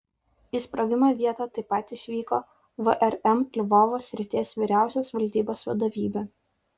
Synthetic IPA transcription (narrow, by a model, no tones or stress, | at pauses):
ispɾɐɡʲɪmɑːʋʲiɛt̪ɑt̪ɐɪpɐt̪ɪʃʲʋʲiːkoː | ʋəʔɛɾɛmlʲʋɔːʋoːsʲɾʲɪt̪ʲeːsʋʲiːɾʲæˑʊsʲoːsʋɐlʲd̪ʲiːboːsʋɐd̪ɐʋʲiːbʲeː